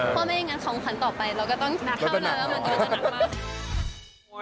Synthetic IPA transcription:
pʰɔː˥˩ma˥˩jŋaː˧˥nkʰɔː˩˦ŋkʰa˨˦nt̪ɔː˨˩pa˧jɾa˧wkɔː˥˩t̪ɔ˥˩ŋna˧˥ka˩˨lːma˧˩kː

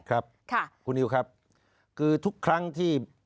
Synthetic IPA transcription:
kʰɾa˦˥p̚kʰa˥˩kʰu˧nʔiː˧wkʰɾa˦˥p̚ | kʰɯː˧t̪ʰu˦˥kʰːɾa˦˥ŋt̪ʰiː˥˩

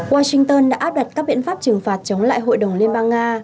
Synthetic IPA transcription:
waː˧sï˧ŋt̪əː˧nɗa̰ː˧˥ʔaː˦˥p̚ɗa˨˩t̚kaː˦˥k̚ɓḭ˧˨ənfaː˦˥p̚t͡ɕɨ˨˩ŋfaː˨˩t̚t͡ɕə˨˦wŋ͡mla̰ː˧˨jɦo̰˧˨jɗə˨˩wŋ͡mli˧ənɓaː˧ŋŋaː˧

